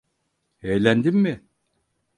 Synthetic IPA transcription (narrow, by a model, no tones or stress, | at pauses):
ejlʲænd̪imːɪ